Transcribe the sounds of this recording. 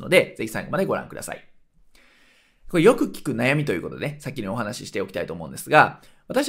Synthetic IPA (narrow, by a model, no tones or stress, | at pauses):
no̞̰d̪e̞d͡ze̞çʲi̥sã̰ŋɡo̞mad̪e̞ɡo̞ɾã̰ŋkɯ̟d̪a̰sa̰ḭ | koejo̞kɯ̟kʲi̥kɯ̟najamʲit̪o̞jɯ̟ːkot̪d̪eesakʲːiɲʲio̞ɦanaɕiɕi̥t̪e̞okʲi̥t̪ait̪omo̞ɯ̟̃nd̪e̞sɨɡaβ̞at̪aɕi